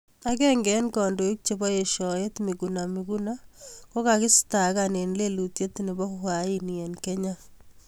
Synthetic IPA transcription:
a˦kɛ˦ŋɡɛ˨˦nkɔ˨ndo˨i˦k̚t͡ʃe˦bɔ˦je˨ʃɔ˨e˦tmi˨kuna˨miku˦na˦ko˦ka˨kɪ˦sta˨kane˨nle˦lu˨tje˦tnɪ˨bɔ˦hwa˨i˦ne˨nkɛ˦ɲa˦

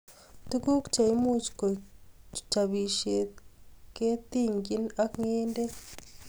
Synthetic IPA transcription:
tu˦ku˦ku̥t͡ʃa˨i˦mu˦t͡ʃi̥ko˨tu̥taβiː˨ʃe˨ke˦t̪iːŋɡi˦na˦kŋeː˦nde˦

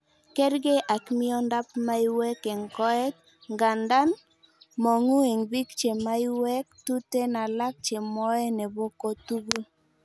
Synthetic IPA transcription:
kɛ˦ɾɡe˦ʔa˨kmɪ˦ɔ˦nda˦pma˦i˦wɛ˦ke˨ŋkɔ˦ɛ˦t̚ | ŋɡa˨nda˦n | mɔ˨ŋu˦e˨ŋbi˦kt͡ʃe˨ma˦i˦wɛ˦k̚tu˦te˦na˨la˦k̚t͡ʃe˨mɔ˦ɛ˦ne˨bo˦ko˦tu˦ɡu˦

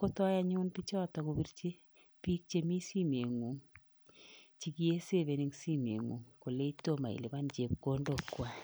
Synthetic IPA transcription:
ko˦tɔ˦ja˦ɲʊ˦npi˦t͡ʃɔ˦tɔ˨ko˧bi˦ɾt͡ʃe˦ | pi˦k̚t͡ʃe˦mi˦si˦m˨e˨ŋu˨ŋ | t͡ʃi˦ɡi˦e˦se˦˨ve˨ni˦ŋsi˦m˨ḛ˨ŋṵ˨ŋko˨le˦i˦to˦ma̰˨ḭ˨li˨ma˦nd͡ʒe˨p̚ko˦ndo˦˨kwa˦˨

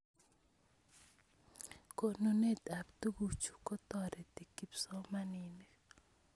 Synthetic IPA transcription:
ko˨nu˨ne˦ta˨pt̪u˦ɡu˨t͡ʃu̥˨kɔ˦t̪ɔ˨ɾɛ˨t̪i˨ki˨psɔ˦ma˦ni˨ne˨

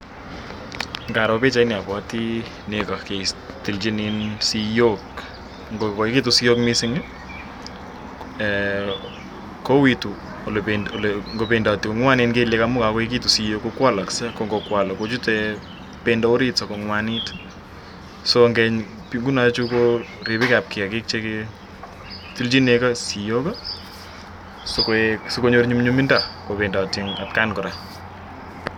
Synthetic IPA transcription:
ŋɡa˨ɾa˨pe˦t͡ʃa˨ɪ˦nɪ˨a˨pwa˦ti˦ | neka˨ke˨sti˨lt͡ʃi˦ninsi˦jo˦k | ŋɡokɔ˨ki˦tu˨si˦jo˦kmɪsɪ˦ŋ˦ | ko˦wi˨tu˨ | lpenolŋɡo˨pe˨nda˨ti˨kɔ˨ŋwa˦nɪ˦nke˦le˦ka˦mʊ˦ka˨kɔ˦e˦k̬i˦tu˨sijo˦kːo˧kwa˦la˨ksɛ˦koŋɡɔ˨kwa˨la˨ko˦t͡ʃu˦tɛ | penda˨o˦ɾi˦tsa˨ko˨ŋwa˦ni˦t | so˨ŋɡɛ˨ɲ | piŋɡu˦na˦t͡ʃu˦ko˦ɾe˨pi˦ka˨p̚kɪ˨a˨kɪ˦k̚t͡ʃe˦ke˧ | ti˦lt͡ʃi˦ne˧ka˦si˨jo˦ka˦ | sokso˦ko˦ɲo˦ɾɲu˦mɲu˦mi˦nda˨ko˨pe˨nda˨tiŋa̰˨t̚ka˦nkɔ˨ɾa˨

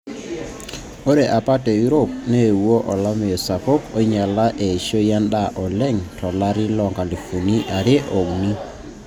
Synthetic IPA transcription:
o˦ɾe˨ʔa˨pa˦tɛ˨ju˦ɾo˦p̚ne˦˨wo˦ʔɔ˨la˦me˨ɔ˨sa˨ko˦ko˦ɲa˨la˦ʔe˨ʃo˦ja˦nda˦ʔɔ˨lɛ˦ŋtʰɔ˨la˦ɾi˦lɔ˨ŋɡa˨li˨fu˨ni˦ʔa˨ɾe˦ʔo˨ɡni˦

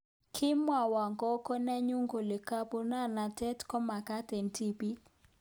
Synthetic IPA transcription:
kʰɪ˦mwa˨wa˨ŋɡɔ˦kɔ˦nɛ˦ɲu˦ŋɡo˨lɪ˨ka˦po˦na˦˨na˨tɛ˦tkɔ˦ma˨ka˦te˨ntʰi˦pi˦

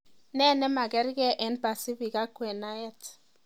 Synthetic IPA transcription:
nɛ˦˨nɛ˦ma˨kɛ˦ɾɡɛ˦ʔɛ˨˦nba˨si˦bi˨ka˦kwɛ˨na˦jɛ˦t

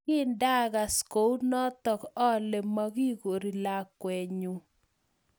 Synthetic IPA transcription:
ɪ˦nda˦ɣa˨sko˨˦wnɔ˦t̪ɔ˨kɔ˦le˨ma˦ɡi˦ɡo˨ɾi˨la˨kwɛ˨ɲu˨

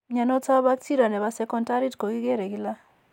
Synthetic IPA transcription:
ɲa˨no˦t͡sa˦ba˦k̚ti˦ɾa˨nɛ˨βa˨sɛ˦kɔ˦nta˦ɾi˦tko˨ɡi˦ɡe˦ɾe˨ɡi˦la˦

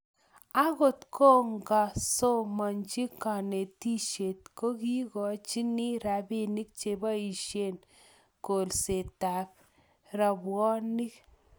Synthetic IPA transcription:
a˦ɣo˨tkʰo˦ŋɡa˨so˦mɔ˨nt͡ʃi˦ka˨ne˨ti˦ʃe˨t̚ko˦ki˦kɔ˨t͡ʃi˦ni˦ɾa˨bi˦ni˦k̚t͡ʃe˨ba˦i˨ʃje˦˨n | ko˨lse˨ta˨p | ɾa˨bwɔ˦ni˦k

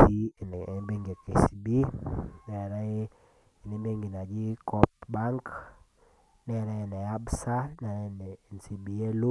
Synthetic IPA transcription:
i˦˨be˦ŋɡe˨ke˨si˨bi˦nɛ˨ɾɛ˦˨ | ni˨˦be˦ŋɡi˨na˨d͡ʒi˦kɔ˦pba˦ŋk | nɛ˨ɾɛ˦e˨nɛ˨a˦bsa˦nɛ˨ɾɛ˦n˨nsi˨bi˨˦e˦lu˦

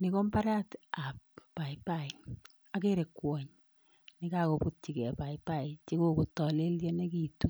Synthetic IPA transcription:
nɪ˨ko˦mpa˦ɾa˦ta˨p̚ːa˨ipa˦˨ɪ˨ | a˨ke˦ɾe˨kːwɔ˨ɲ | nɪ˦ka˦ko˨pu˦t̚t͡ʃi˨kɛ˨pa˨ipa˦˨ɪ˨t͡ʃi˦ko˦ku˨tɔ˨le˦ljɛ˦ne˦ki˦tu˦

